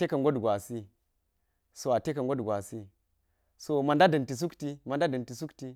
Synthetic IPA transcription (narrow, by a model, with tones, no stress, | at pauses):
e˦ka˨ŋɡo˦dɡwa˨si˦ | so˨a˨te˦ka˨ŋ˨ɡo˦dɡwa˨si˦ | so˦˨ma˨nda˦dɐ˨nti˨s̬u˦kti˦ma˨nda˦dɐ˨nti˨su˦kti˦